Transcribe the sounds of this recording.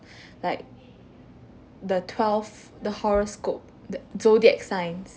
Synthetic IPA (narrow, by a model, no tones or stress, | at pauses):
laɪk̚ | dətʰwɛlf | dəhɔɹoskop̚dəzodiɛk̚sãɪ̃ns